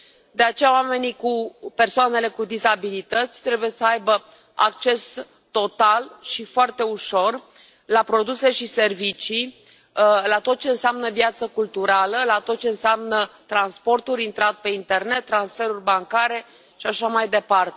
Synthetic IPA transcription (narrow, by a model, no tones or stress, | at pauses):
d̪e̞at͡ʃe̞jaowame̞nikupe̞rsoane̞le̞kud̪izabilit̪ət̪sʲt̪ɾe̞buje̞səajbə | a̰k̚t͡ʃe̞s | t̪o̞t̪alʃifoart̪e̞uʃo̞r | lapɾo̞d̪use̞ʃise̞rvit͡ʃi | lat̪o̞t̪̚t͡ʃe̞ɨnseamnəvjat̪səkult̪uɾaləlat̪o̞t̪̚t͡ʃe̞ɨnseamnət̪ɾanspo̞rt̪uɾʲint̪ɾat̪pe̞int̪e̞rne̞t̪ːɾansfe̞ɾurʲbaŋkaɾe̞ | ʃiaʃamajd̪e̞part̪e